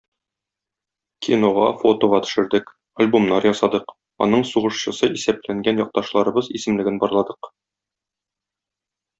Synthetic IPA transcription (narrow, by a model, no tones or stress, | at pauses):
kʲʰinoʁɑfot̪oʁɑt̪ɵ̥̆ʃɘ̆ɾd̪ɘk | ɐlʲbomnɑɾjɒsɑd̪ɤq | ɒ̰nɤɴsuʁɤ̆ʃɕɤ̆sɤʔisæp̚læŋɡænjɒq̚t̪ɑʃlˠɑɾɤ̆bɤzisɘ̆mlɘ̆ɡɘnbɒɾlˠɑd̪ɤq